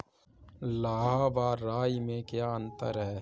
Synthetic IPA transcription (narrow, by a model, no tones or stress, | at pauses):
laːɦabaːɾaːimẽkjaːə̃nt̪ə̰ɾɦɛː